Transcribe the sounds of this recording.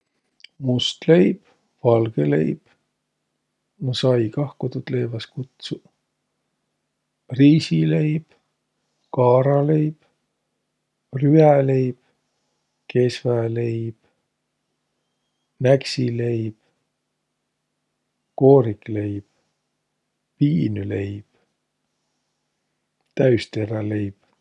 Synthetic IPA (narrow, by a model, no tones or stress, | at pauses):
must̪le̞jb̥ | vɑlɡ̥elḛjb̥ | nusɑjkɑhkot̪ut̪lejvɑskut̪su | riːsilejb̥ | kɑːɾɑlejb̥ | ryæle̞jb̥ | kesvælejb̥ | næksile̞jb̥ | ko̞ːɾikle̞jb̥ | piːnylejb̥ | t̪æɥst̪eɾɑlejb̥